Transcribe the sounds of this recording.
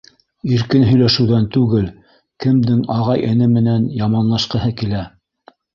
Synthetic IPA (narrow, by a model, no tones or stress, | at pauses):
iɾkɘnɦɵ̆jlæʃɘ̆wðænt̪ʉɡɘl | kɘ̆md̪ɘŋɑʁɑjʔɘ̆nɘmɘ̆nænjɑmɑnlˠɑʃqɤ̆hɤkilæ